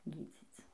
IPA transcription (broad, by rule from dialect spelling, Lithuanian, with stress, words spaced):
ˈɡʲiːd͡zʲiːt͡s